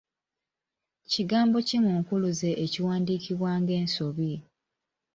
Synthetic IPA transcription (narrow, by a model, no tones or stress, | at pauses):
ciɡaːmbo̞cimuːŋkuluze̞ʔːciwaːndiːkiβwaːŋɡe̞ːnsoβi